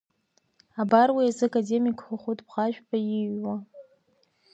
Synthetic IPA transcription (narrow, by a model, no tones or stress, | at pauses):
abarwiazɨakʼademikʼχʷaχʷutʰʼbʁaʒᶣpʰʼajiɥwa